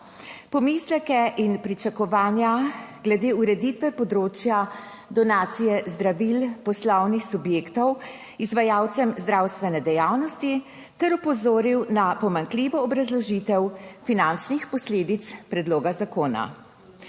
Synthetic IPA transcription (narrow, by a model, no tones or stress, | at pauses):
pɔmislɛkɛʔinpɾit͡ʃakɔʋaːnjaɡ̥lɛd̪eːuɾɛd̪it̪ʋɛpɔd̪ɾoːt͡ʃja | d̪ɔnaːt̪sijɛzd̪ɾaʋilpɔslɔwnixsubjeːkt̪ɔw | izʋajawt̪sɛmzd̪ɾaːwst̪ʋɛnɛd̪ɛjaːwnɔst̪i | t̪ɛɾupɔzoːɾiwnapɔmaŋkliʋɔːbɾazlɔʒit̪ɛwfinant͡ʃnixpɔsleːd̪it̪spɾɛd̪loːɡazakoːna̰